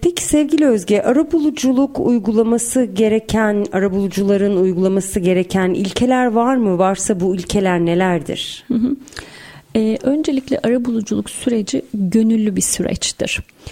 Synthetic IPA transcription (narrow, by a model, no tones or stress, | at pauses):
pʰɛci̥sɛvɟilʲiø̞zɟɛʔaɾabulˠud͡ʒulˠukujɡulˠamasɯɟe̞ɾecʰænaɾabulˠud͡ʒulˠaɾɯnujɡulˠamasɯɟe̞ɾecʰænḭlʲcʰe̞lʲæɾvaɾmɯvaɾsabuilʲcʰe̞lʲæɾne̞lʲæɾd̪ḭɾ̥h̩ɦ̩ | ɛːʔø̞nd͡ʒelʲiclʲɛ̰ʔaɾabulˠud͡ʒulˠuksyɾe̞d͡ʒiɟø̞nylʲːybisyɾɛ̰t͡ʃt̪ʰḭɾ̥